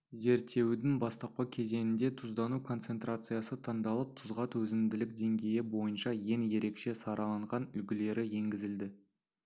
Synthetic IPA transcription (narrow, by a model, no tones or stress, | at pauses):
ze̞ɾt̪ːe̞wd̪ɪŋbɑst̪ɑq̚pɑkʲʰe̞ze̞nɪnd̪e̞t̪ʰʊzd̪ɑnukʰo̞nt̪se̞nt̪ɾat̪sɨjɑsət̪ʰɑɴd̪ɑlˠəp̚t̪ʰʊzʁɑt̪ʰwɵzɪmd̪ɪlɪk̚d̪e̞ŋɡʲe̞jɪbo̞jənʃɑje̞ŋje̞ɾe̞kʃe̞sɑɾɑlˠɑɴʁɑnʏlɡʲɪle̞ɾɪje̞ŋɡʲɪzɪld̪ɪ